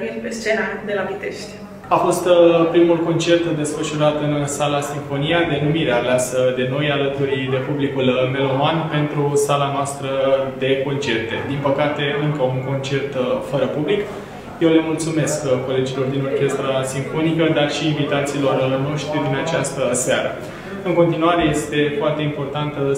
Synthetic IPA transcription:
irʲpest͡ʃenad̪elavit̪eʃt̪ʲ | afo̞st̪pɾimulko̞nt͡ʃe̞rt̪d̪e̞sfəʃuɾat̪ɨnsalasiɱfo̞nijad̪e̞numiɾealeasəd̪e̞no̞jalət̪uɾid̪e̞publikulme̞lo̞manpe̞nt̪ɾusalanoast̪ɾəd̪e̞ko̞nt͡ʃe̞rt̪e̞d̪inpəkat̪e̞ɨŋkəuŋko̞nt͡ʃe̞rt̪fəɾəpublik | jewlemult̪sume̞skkːo̞le̞d͡ʒilo̞rd̪ino̞rkʲe̞st̪ɾasiɱfo̞nikəd̪arʃiːnvit̪at̪silo̞rno̞ʃt̪ɾid̪inat͡ʃast̪əsaɾə | ɨŋko̞nt̪inuwaɾe̞je̞st̪e̞foart̪e̞impo̞rt̪ant̪

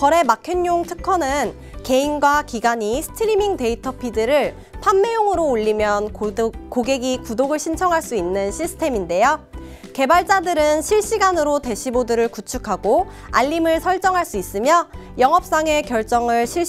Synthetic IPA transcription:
kʌɾe̞makʰjiɲːoŋtʰɯkʰʌnɯn | ke̞inɡwakiɡaɲisʰɯ̥tʰiɾimiŋte̞itʰʌpʰidɯɾɯɭ | pʰamːe̞joŋɯɾoːʎːimjʌnkoɡe̞ɡikudoɡɯɭɕʰint͡ɕʰʌŋɦaɭs͈uinːɯnɕʰisʰɯ̥tʰe̞minde̞jo | ke̞baɭt͡ɕ͈adɯɾɯnɕʰiɭɕ͈iɡanɯɾote̞ɕʰibodɯɾɯɭkut͡ɕʰukʰaɡo | a̰ʎːimɯɭsʰʌɭt͡ɕ͈ʌŋɦaɭs͈uis͈ɯmjʌ | jʌŋɦʌp̚s͈aŋe̞kjʌɭt͡ɕ͈ʌŋɯɭɕʰi

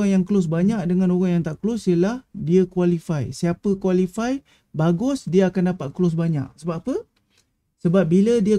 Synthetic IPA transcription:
aŋjaŋklʊs̬baɲak̚dəŋãnoɣaŋjaŋt̪aʔkəlʊsiəlahdiəkwalifajsiapəkwalifaj | baɡʊsdiəakandapat̪̚klʊs̬baɲa̰k̚səbapə | səbap̚bilədiə

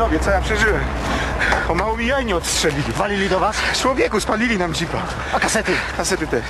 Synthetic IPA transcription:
ɔbʲjɛt̪sɔjapʂɛʐɘwɛm | ɔmawɔmʲijajɲɛɔt̪stʂɛlʲilʲivalʲilʲid̪ɔvast͡ʃwɔvʲjɛkuspalʲilʲinamd͡ʑipa̰ | akasɛt̪ɘkasɛt̪ɘt̪ɛʂ

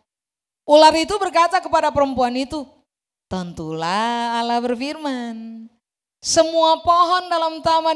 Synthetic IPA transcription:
ʔularit̪ubərkat̪akəpadapəɾəmpuanit̪u | t̪ɔnt̪ṵlaːlahbərfirman | səmuapɔɦɔndalamt̪ama

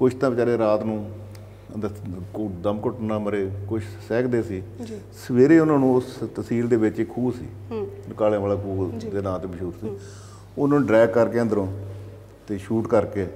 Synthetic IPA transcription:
kʊʃʰt̪ãːbət͡ʃaːɾeːɾaːt̪nũː | əəd̪əmkʊʈnãːməɾeːkʊʃʰsɛːkd̪eːsiːsəʋeːɾeːʊnãːnũːst̪əsiːld̪eːʋɪt͡ʃːkʰuːsḭː | kaːlejãːʋaːlaːkʰuːd̪eːnaːt̪eːməʃuːɾsiː | ʊnaːñːɖɾɛːɡkəɾkeːə̃nd̪əɾõː | t̪eːʃuːʈkəɾkeː

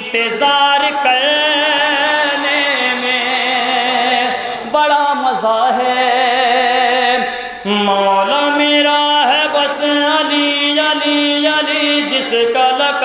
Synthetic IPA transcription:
t̪ezaːɾkɐɾ | neːme | bɐɽaːmɐzaːɦɛ | maːlameːɾaːɦɛbɐsɐlijaːlijaːliːd͡ʒɪskɐlɐk

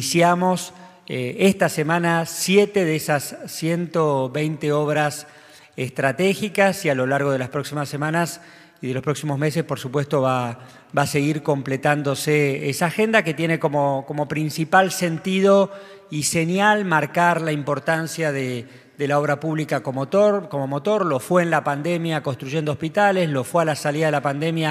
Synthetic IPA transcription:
isjamo̞s | eest̪asemãnasjet̪eðesasːjent̪oβejnt̪eoβɾas | est̪ɾat̪exikasialo̞laɾɣo̞ð̞e̞laspɾo̞ksimasːe̞mãnas | iðelospɾo̞ksimo̞zme̞s̬espo̞ɾsupwe̞st̪o̞βa | base̞ɣiɾko̞mplet̪and̪o̞seesaːxe̞nd̪aket̪je̞neko̞mokomo̞pɾinsipalse̞nt̪ið̞o | isenjalmaɾkaɾlaimpo̞ɾt̪ansjaðe | d̪elao̞βɾapuβlikakomot̪oɾko̞momot̪o̞ɾlo̞fweːnlapand̪emjakonst̪ɾuʒe̞nd̪oospit̪aleslo̞fwealasaliðaðelapand̪emja

